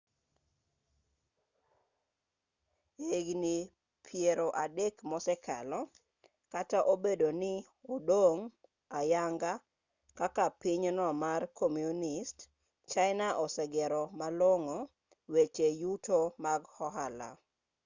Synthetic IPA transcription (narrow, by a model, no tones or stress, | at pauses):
eɡni | pʰjeɾoʔadekmɔsɛkʰa̰lɔ | kataʔobedonɪ | odoŋ | ajaŋɡa | kakapɪɲnɔmarkomjunɪst | t͡ʃaɪnaʔɔsɛɡɛɾɔmaloŋo | wet͡ʃejutomaɡhɔɦala̰